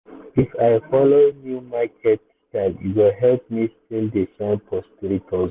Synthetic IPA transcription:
ifaɪfɔlonjumakʰɛt | takjṵwilɦɛlp̚mistildisãnpɔspiɹitʰɔ

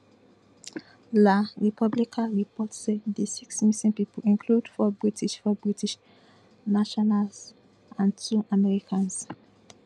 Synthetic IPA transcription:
laɹipʰɔblikʰaɹipɔtsɛddesiksmisĩnpipolĩnkʰludfɔbɹitʰiʃfɔbɹitiʃ | naʃɔnals | ʔãntʰuʔamɛɹikʰãns

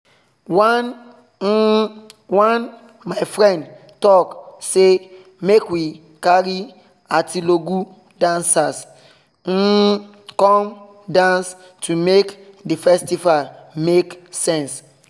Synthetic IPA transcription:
wan | wãn | maɪfɾɛ̃nd | tɔkse | mekwi | kaɾi | atiloɡu | dãnsas̩ | kɔ̃m | dãns | tʰumekdifɛstifameksɛ̃ns

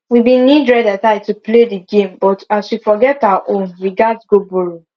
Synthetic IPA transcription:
wibĩnidɹɛdataɪtuplediɡẽmbɔtaswifɔɡɛtawaʔõnwiɡadsɡobuɹu

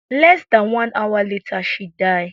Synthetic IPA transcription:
lɛsdãnwãnʔawaletʰaʃidaɪ

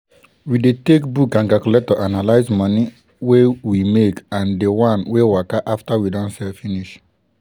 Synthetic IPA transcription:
widetek̚bukãŋɡakuletɔʔanalaɪzmɔni | wewimekãndewãnwewakaʔaftawidɔ̃nsɛlfiniʃ

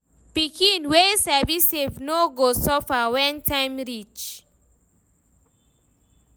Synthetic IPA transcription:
pikĩnwesɛvisevnoɡosɔfawɛ̃ntʰãj̃mɹit͡ʃ

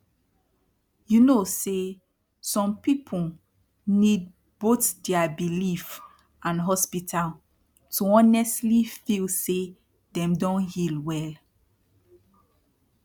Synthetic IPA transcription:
junose | sɔ̃mpipʰu | nid̚ | b̥otdɛabilif | ãnɦɔspitʰal | tuɔ̃nɛstlifilse | dɛ̃mdɔ̃nhilwɛl

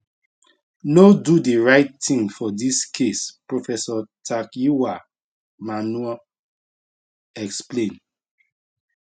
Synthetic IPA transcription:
nodudiɹaɪttĩŋfɔdiskʰespɹofɛsɔtʰakjiwa | manuɛ | ɛksplẽn

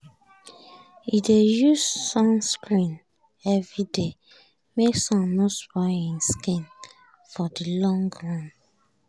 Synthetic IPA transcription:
idejusːɔ̃mskɹĩn | ɛvɹide | meksɔ̃mːoswaĩnskĩn | fɔdilɔ̃ŋɡɹãn

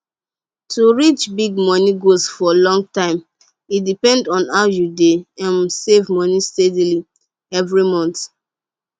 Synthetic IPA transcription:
tuɹit͡ʃbiɡ̚mɔniɡosfɔlɔ̃ŋɡtãɪ̃m | itdipɛ̃ndɔ̃naʊjudeãnsevmɔnistedili | ɛvɹimɔ̃nt

